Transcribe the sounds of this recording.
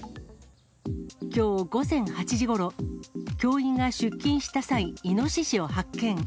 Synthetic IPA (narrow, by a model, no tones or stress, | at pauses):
kʲo̞ːɡo̞zẽ̞ŋ̃hat͡ɕiʑiɡo̞ɾo̞kʲo̞ːĩŋɡaɕɨkʲːĩɰ̃ɕi̥t̪asaiino̞ɕiɕio̞hakːẽ̞ŋ